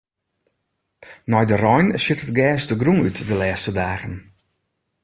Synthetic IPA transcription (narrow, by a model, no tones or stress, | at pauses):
nɔjdərɔjnsɪtətɡɛːsdəɡruŋytʰʋilɛːstədaːɣən